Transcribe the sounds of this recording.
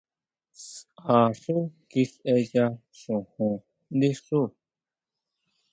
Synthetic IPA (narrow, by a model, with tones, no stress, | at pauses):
saː˨ʂu˦ki˧sʔe˧ja˧ | ʂũ˨hũ˨ | nd̪i˦ʂu˦